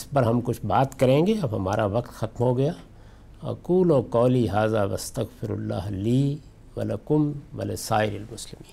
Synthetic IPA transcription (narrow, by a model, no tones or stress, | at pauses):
ɪspɐɾɦɐmkʊt͡ʃʰbaːt̪kɐɾẽːŋɡeɐbɦɐmaːɾaʋɐqt̪xɐt̪mɦoɡɐjaː | ɐ̰kuːloːkɔːliːɦaːzaːʋɐ̰st̪ɐɣfɪɾʊ̰lːa̰ːɦliː | ʋɐ̰lɐkʊmʋɐ̰lesaːɪɾɪlmʊslɪmi̥ːnn